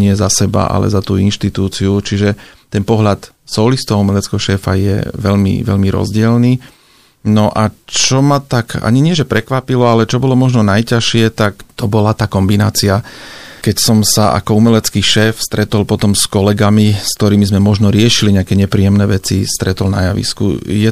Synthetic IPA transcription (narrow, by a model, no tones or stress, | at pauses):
ɲɪɛzasɛba̰ʔa̰lɛ̰zat̪ṵːinʃt̪it̪uːt͡siut͡ʃiʒɛt̪ɛnpɔɦʎat̪ | sɔːlist̪ɔaumɛlɛt͡skɛɦɔʃɛːfa̰jɛ̰ʋɛʎmḭʋɛ̰ʎmiɾɔ̰zɟɪɛlniː | nɔʔat͡ʃɔmat̪aka̰ɲiɲɪɛʒɛpɾɛkʋapilɔalɛt͡ʃɔbɔlɔmɔʒnɔnajcaʃɪɛt̪akt̪ɔbɔlat̪aːkɔmbina̰ːt͡siakɛcsɔmsaʔa̰kɔumɛlɛt͡skiːʃɛːfst̪ɾɛt̪ɔlpɔt̪ɔmskɔlɛɡamiskt̪ɔɾiːmizmɛmɔʒnɔɾɪɛʃiliɲɛakɛɲɛpɾiːjɛmnɛːʋɛt͡sḭst̪ɾɛt̪ɔlnajaʋḭskṵjɛ